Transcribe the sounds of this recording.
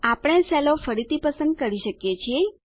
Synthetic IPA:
apɽ̃ẽsɛlofəɾit̪ipəsə̃nd̪̚kəɾiʃəkjet͡ʃʰie

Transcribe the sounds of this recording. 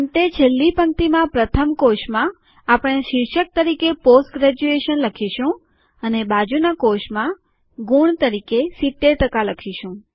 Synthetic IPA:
əmʈ̪et͡ʃʰelːipəŋt̪imãpɾət̪ʰəmkoʃmã | apɽ̃eʃɪɾʃək̚t̪əɾikeposʈɡɾɛd͡ʒueʃənləkʰiʃũ | ənebad͡ʒunakoʃmã | ɡuɳt̪əɾikesit̪ːeɾʈəkaləkʰiʃũ

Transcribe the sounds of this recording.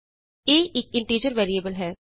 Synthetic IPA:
eːɪkɪ̃ɳʈiːd͡ʒəɾʋɛːɾieːbəlɦɛː

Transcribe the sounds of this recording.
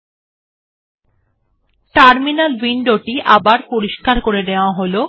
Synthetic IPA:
ʈaɾminalwiɳɖoʈiʔabaɾpoɾiʃkaɾkoɾed̪eoaɦolo

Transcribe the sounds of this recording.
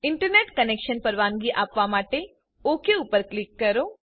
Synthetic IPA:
ɪɳʈəɾneːʈkəneːkʃənpəɾʋaːnɡiʔaːpʋamaːʈe | oːkeupəɾklɪkːɐɾoː

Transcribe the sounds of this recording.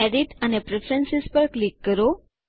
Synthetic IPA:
ɛɖiʈanepɾefɾənsispəɾklikːəɾo

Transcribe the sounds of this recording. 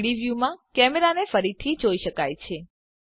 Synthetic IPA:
ɽiʋjumãkɛmeɾanefəɾit̪ʰid͡ʒoiʃəkajt͡ʃʰe

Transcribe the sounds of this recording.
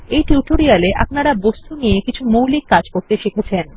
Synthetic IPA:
ejʈuʈoɾialeʔa̰pnaɾabost̪unijekit͡ɕʰumuwlikːad͡ʑkoɾt̪eʃekʰet͡ɕʰen

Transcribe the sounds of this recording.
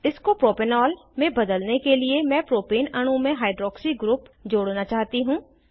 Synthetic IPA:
ɪskopɾoːpɪnɔːlmẽbɐd̪əlnekeliemɛ̃ːpɾoːpiːnɐɽ̃ũmẽɦaːɪɖɾɔːksiɡɾuːpd͡ʒoːɽnat͡ʃaːɦt̪iɦũː

